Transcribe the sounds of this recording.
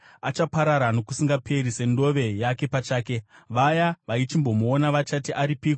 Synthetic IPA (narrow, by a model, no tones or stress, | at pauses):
at͡ʃapaɾaɾano̞kusiŋɡapʰe̞ɾise̞ndo̞ʋe̞jake̞pat͡ʃaːke̞ʋajaʋait͡ʃimbo̞moːnaʋat͡ʃatiʔaɾipiːko